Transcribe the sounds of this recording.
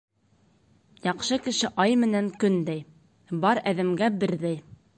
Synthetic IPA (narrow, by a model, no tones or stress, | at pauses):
jɑqʃɤkɘ̆ʃɘʔɑjmɘ̆næŋkɵnd̪æj | bɑɾæðɘ̆mɡæbɘ̆ɾðæj